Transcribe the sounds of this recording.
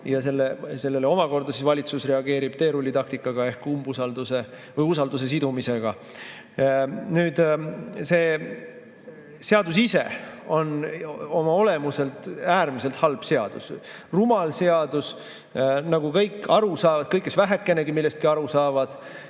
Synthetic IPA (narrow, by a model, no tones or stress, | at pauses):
jɑse̞lːese̞lːelːeo̞mɑko̞rd̪̥ɑsisvɑlʲit̪susre̞ɑɡ̥e̞ːɾib̥̚t̪e̞ːɾulʲːit̪ɑk̚t̪ikːˑɑɡ̥ɑe̞hkumbusɑld̪̥use̞ | vɤjusɑld̪us̬e̞s̬id̪umise̞ɡ̥ɑ | nyːd̪̥se̞ː | se̞ɑd̪usise̞̰o̞no̞mɑo̞le̞muse̞lt̪ˑæːɾmise̞lt̪hɑlb̥se̞ɑd̪̥ṵsrumɑlse̞ɑd̪̥us | nɑɡ̥ukɤjkːˑɑɾusɑːvɑd̪̥kɤjkˑːesvæɦe̞kːˑe̞ne̞ɡimilːe̞st̪̚kiɑɾusɑːvɑd̪̥